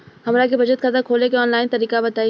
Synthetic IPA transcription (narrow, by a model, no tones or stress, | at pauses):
hɐmɾakebʱɐd͡ʒət̪kʰɐt̪əɾkʰoːlekeɔːnlaːɪnt̪ɐɾiːkabɐt̪aːi